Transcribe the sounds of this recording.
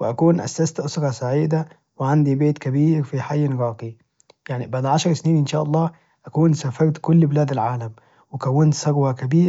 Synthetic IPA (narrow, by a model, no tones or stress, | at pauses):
wɪʔækuːnʔæ̰st̪ast̪ʔʊsɾˤɑsaʕiːd̪a | wɪʕand̪ibeːt̪kæbiːɾfiħajːnɣɑːqi | jaʕnibaʕd̪ʕaʃɑɾˤsniːnʔɪnʃaːʔɑlˤːɑː | ʔækuːnsafɑɾt̪kʊlːbɪlæːd̪alʕaːlæm | wɪkæwːɪnt̪sˤɑɡwækæbiːɾ